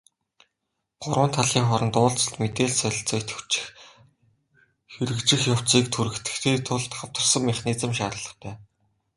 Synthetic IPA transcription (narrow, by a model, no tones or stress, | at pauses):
ɢ̥ʊɾwə̆nt̪ʰaɮiːŋχɔɾɞ̆nt̪ʊːɮt͡sə̆ɬt̪met̪eːɮsœɮ̆ɬt͡sœːjʰt̪ʰt͡ɕɪ̥x | xeɾɘ̆kt͡ɕɪ̆xjaw̥t͡siːk̚t̪ʰuɾɘ̆kt̪ɘ̥̆kt̪ʰeːt̪ʰʊɮt̪χawt̪ə̆rsə̆ŋmiχniːt͡sə̆mʃaːɾə̆ɮə̆χp̪æː